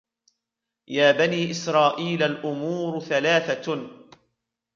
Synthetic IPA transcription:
jaːbaniːʔɪsɾˤɑːʔiːlalʔʊmuːɾθalaːθa

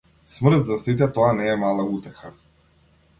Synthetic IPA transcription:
smr̩t̪zasit̪̬ɛt̪ɔanɛːmalˠaut̪ɛxa

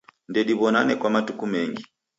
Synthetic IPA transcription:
ndɛɗiβɔna̰nɛkwamatukumɛŋɡi

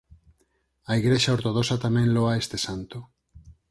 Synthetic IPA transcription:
aiɣɾeʃaoɾt̪oð̞osat̪amẽnloaest̪esant̪o

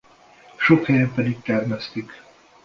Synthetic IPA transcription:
ʃokhɛjɛmpɛd̪ik̚t̪ɛrmɛst̪ik

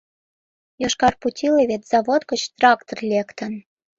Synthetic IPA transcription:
joʃkɑrputʲʰileβʲet̪z̥ɑβot̪kə̆t͡ɕt̪rɑkt̪orlʲekt̪ə̆n

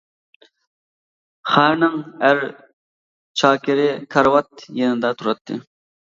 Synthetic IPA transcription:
χæɾnɪŋæɾ | t͡ʃʰɑːkʲɪɾɪkʰɑɾwɑt̪jenɪd̪ɑt̪ʰuɾɑt̪ʰːɨ̰

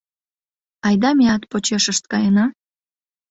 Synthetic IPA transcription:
ɑjd̪ɑmeɑt̪pot͡ɕeʃəʃt̪̚kɑjənɑ

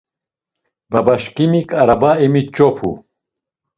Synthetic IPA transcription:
babaʃkimikʰʼaɾabaɛmit͡ʃʼɔpʰṵ

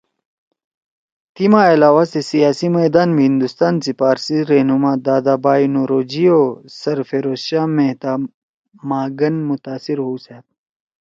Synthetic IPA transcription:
t̪imaɐlaːwasesijaːsimeːd̪aːnmɦĩnd̪ust̪aːnsipaːɾsiɾeɦnumaːd̪aːd̪aːbaːjnoɾoːd͡ʑioːsɐɾfeːɾoːɕaːmeɦt̪aː | maːɡɐnmʊt̪aːsiɾɦuːsaːt̪̚

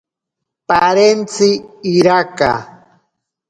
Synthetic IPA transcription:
paɾent͡sɪːɾaka̰

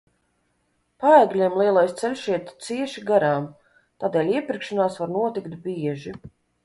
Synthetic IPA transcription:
paæɡlʲiɛmlˠiɛlˠajst̪sɛlʲʃiɛt̪t̪siɛʃiɡaɾaːm | t̪aːd̪eːlʲiɛpʲiɾkʃanaːsvaɾnuɔt̪ikt̪bʲiɛʒi

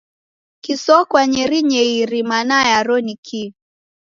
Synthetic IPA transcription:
kisɔkwaɲɛɾiɲɛiɾimanajaɾɔnikʰi

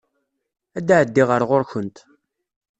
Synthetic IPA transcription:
æd̪aʕəd̪ːiʁəɾʁoɾçənt̪

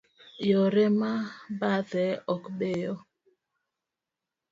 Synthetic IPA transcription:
joɾɛmabaðɛɔkbejɔ

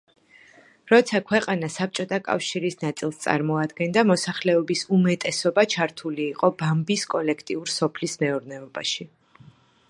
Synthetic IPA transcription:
ɾɔt̪sʰakʰwɛqʼanasap̚t͡ʃʼɔt̪ʰakʼa̰fʃiɾisnat̪sʼilˠst̪sʼa̰ɾmɔad̪ɡɛnd̪amɔsaχlɛɔbisumɛt̪ʼɛsɔbat͡ʃʰaɾt̪ʰuliːqʼɔbambiskʼɔlɛkʰt̪ʼiuɾsɔpʰlismɛuɾnɛɔba̰ʃi

